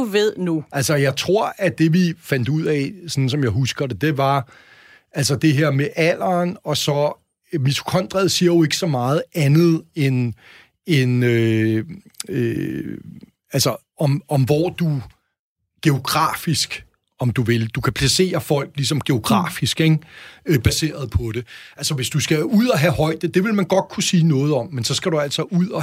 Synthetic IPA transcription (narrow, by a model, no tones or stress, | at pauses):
uʋeð̰ˠnuʔælsɒjɑ̈ɪt͡sʰʁo̝ɐ̰æd̥e̝ʋifæn̰d̥uð̰ˠɛsɒ̽n̩sɒ̽mjɑ̈ɪɦusɡ̥ɐɾed̥e̝ʋɑ̈ | ʔæls̬ɐd̥e̝ɦeɐ̰meʔæl̰ɐːnɒ̽sɒ̽ | mit͡sʰu̥kʰɒn̰d̥ʁɛðˠsiːɐjo̝e̝ɡ̥əsɒ̽mɑ̈ːð̞̩ˠænð̞̩ˠen | enø | ø | ælsɒ | ɒmɒ̽mʋɒ̰ːd̥u | ɡ̥e̝o̝ɡ̥ʁɑ̰̈ːfisɡ̥ | ɒ̽md̥uʋe̝ld̥ukʰæpʰlæse̝̰ːɐfɒ̽l̰ɡ̥lis̬ɒ̽mɡ̥e̝o̝ɡ̥ʁɑ̰̈ːfisɡ̥eŋb̥æse̝̰ːɐð̞̩ˠpʰɒ̽ɾ̥e̝ælsɒʋe̝sd̥usɡ̥æuð̞̰ˠɒɦæhɒ̽ɪ̰d̥əd̥e̝ʋe̝lmænɡ̥ɒ̽d̥̚kʰusiːnɔ̽ːð̞̩ˠɒ̽m̰ːensɒ̽sɡ̥æɾuæl̰sɒ̽ʔuð̰ˠɒ